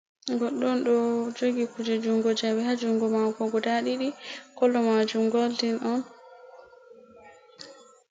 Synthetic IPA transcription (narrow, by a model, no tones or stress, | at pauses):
ɡɔɗːɔnɗɔd͡ʒoɡikud͡ʒɛd͡ʒuŋɡɔd͡ʒawɛhad͡ʒuŋɡɔmakɔɡɔdaɗiɗikɔlːɔmad͡ʒumɡɔltinɔn